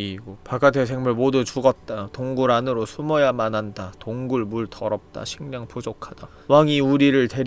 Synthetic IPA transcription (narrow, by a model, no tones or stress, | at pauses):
iɡopaɡatʰes̬ʰeŋmɯɭmodut͡ɕuɡʌt̚t͈atoŋɡuɾanɯɾosʰumʌjamanɦandatoŋɡuɭmuɭtʰʌɾʌp̚t͈a̰ɕʰiŋɲaŋpod͡ʑokʰad̥a | waŋiuɾiɾɯɭte̞ɾ